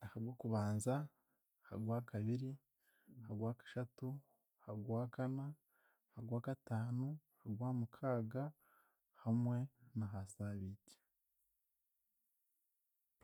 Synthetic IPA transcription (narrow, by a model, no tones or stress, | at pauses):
ahaɡwakuβaːnza | ha̰ɡwaːkaβiɾi | haɡwaːkḁʃatu | haɡwaːkana | haɡwaːkataːnuhaɡwaːmukʰaːɡa | hamwe̞naɦasaβiɟe̥